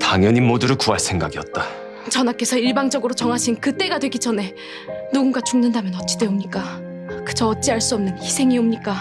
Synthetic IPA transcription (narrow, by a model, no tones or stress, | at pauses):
taŋjʌɲimːoduɾɯɭkuɦaɭsʰe̞ŋɡaɡiʌt̚t͈a | t͡ɕʌnak͈e̞sʰʌiɭbaŋd͡ʑʌɡɯɾot͡ɕʌŋɦaɕʰinkɯt͈e̞ɡadwe̞ɡid͡ʑʌne̞ | nuɡunɡat͡ɕuŋnɯndamjʌnʌt̚t͡ɕ͈ideomɲik͈a | kɯt͡ɕʰʌʌt̚t͡ɕ͈iaɭs͈uʌmnɯnçisʰe̞ŋiʌmɲik͈a